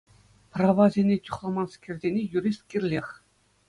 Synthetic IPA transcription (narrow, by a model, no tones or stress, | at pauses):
prɑʋɑzʲenʲetʲuχlˠɑmɑnskʲerʲdʲenʲejuɾʲisʲt̪̚kʲerʲlʲexʲ